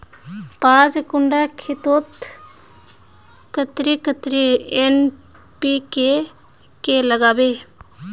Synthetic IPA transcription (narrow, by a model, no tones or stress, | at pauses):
pãːd͡ʒkʊɳɖakʰɪt̪ot̪ | kət̪ɾikət̪ɾien | pike | keləɡaːbe